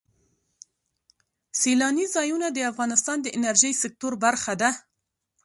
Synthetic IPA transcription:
selɑnizɑjunad̪əafɣɑnɪst̪ɑnd̪əʔɪnaɾʒəjsɪk̚t̪oɾbaɾxad̪a

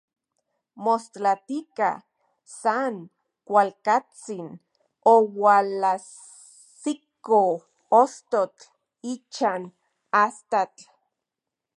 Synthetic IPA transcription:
most̪lat̪ika̰ | saŋ | kʷalkat͡sin | owalas | siko | ost̪ot͡ɬ | it͡ʃan | ast̪at͡ɬ

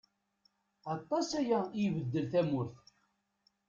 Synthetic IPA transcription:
ɑt̪ˤːɑsæjæjivəd̪ːəlθæmʊɾθ

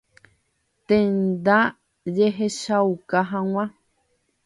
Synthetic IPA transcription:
t̪ẽnd̪a | d͡ʒeɦeʃawkaɦãw̃ã

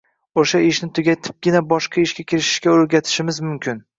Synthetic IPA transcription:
oʃaɪʃnɪt̪ʰʊɡʲat̪ʰɪ̥p̚ɡʲɪnabɒʃqʰɑɪʃɡʲakʲʰɪɾɪʃɪ̥ʃkʲaoɾɡʲat̪ʰɪ̥ʃɪmɪzmʊmkʲʰɪn

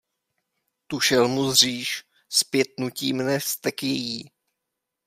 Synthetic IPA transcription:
t̪uʃɛlmuzr̝iːʃ | spjɛt̪̚nuciːmnɛst̪ɛkjɛjiː

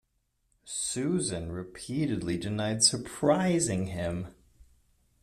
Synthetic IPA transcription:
sʉzɨ̃nɹɨpʰiɾɨdˡlidɨnaɪd̥sə˞pʰɹ̥aɪzɪ̃ŋɪ̃m

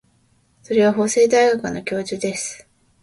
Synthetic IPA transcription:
so̞ɾe̞β̞aɦo̞ːse̞ːd̪aiɡakɯno̞kʲo̞ːʑɨːd̪e̞sɨ̥

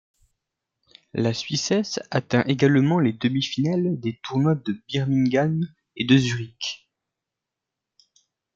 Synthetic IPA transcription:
lasɥisɛsat̪ɛ̃ʔeɡalmɑ̃led̪əmifinald̪et̪ʰuʁnwad̪əbiʁmĩŋɡan | ed̪əzyʁik

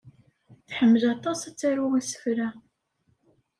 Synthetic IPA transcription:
θħəmːəlɑt̪ˤɑsæt͡sːaɾuwæsə̥fɾæ

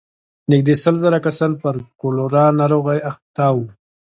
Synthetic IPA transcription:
nɪk̚d̪esəlzaɾakasɑnpəɾkoloɾɑnɑɾoɣajaxt̪ɑwu

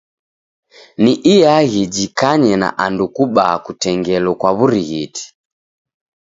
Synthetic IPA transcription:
niʔijaɣid͡ʒikaɲɛna̰ʔandukuɓaːkutɛŋɡɛlɔkwaβuɾiɣiti̥

